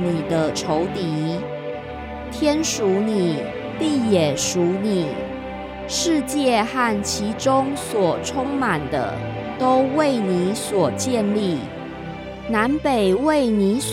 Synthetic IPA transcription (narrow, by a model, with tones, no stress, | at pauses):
ni˨˩d̪ə˦ʈ͡ʂʰo˧˥ʊt̪i˧˥˦ | t̪ʰjɛ˥nʂu˧˥ni˨˩ | li˥˩jɛ˨˩ʂu˧˥ni˨˩ | ʂɻ̩˥˧t͡ɕjɛ˥˧xa˥˩nt͡ɕʰi˧˥ʈ͡ʂʊ˥ŋswɔ˨˩ʈ͡ʂʰʊ˥ŋma˨˩nd̪ə̰˦t̪o˥ʊwe˥˩ɪni˧˥˦swɔ˨˩t͡ɕjɛ˥˧nli˥˩ | na˧˥npe˨˩ɪwe˥˩ɪni˧˥˦s